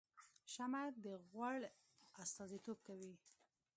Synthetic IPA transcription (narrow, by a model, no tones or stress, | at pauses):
ʃamad̪əɣwaɽ | ast̪ɑzit̪ob̚kawi